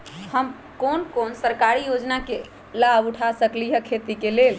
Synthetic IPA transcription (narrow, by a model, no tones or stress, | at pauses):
həm | konkonsəɾkaɾijod͡ʒnake | labuʈʰasəklijəkʰet̪ikelel